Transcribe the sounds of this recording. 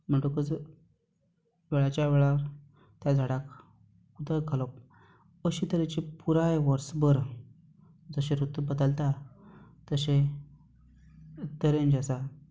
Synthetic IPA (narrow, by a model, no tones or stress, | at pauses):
m̤əɳʈokəd͡zə | ʋeɭat͡ɕjaʋeɭaɾ | t̪jad͡zʱaɽak | ud̪aɡʱalɔp̚ | əɕit̪əɾet͡ɕipuɾajʋəɾsbəɾ | d͡zəɕẽɾut̪ːbəd̪əlt̪a | t̪əɕe | t̪əɾẽnd͡ʑasa